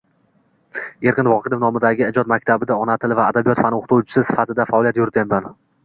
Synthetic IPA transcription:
e̞ɾkʲɪnvɒqʰejd̪ɪfnɒmɪd̪aɡʲɪɪd͡ʒɒt̪mak̚ʲt̪ʰabɪd̪aɒnat̪ʰɪlɪvaːd̪abijɒt̪fanoχt̪ʰowt͡ʃʰɪ̥sɪsɪ̥fat̪ʰɪd̪afaɒlijat̪jʊɾɪt̪ʰamman

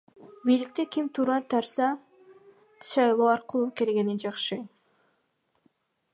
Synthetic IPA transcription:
bijlik̚t̪ekʲimt̪ʰuːɾɑt̪ʰɑɾsɑ | ʃɑjlˠoːɑɾqɯlˠuke̞lɡe̞nind͡ʒɑqʃɯ

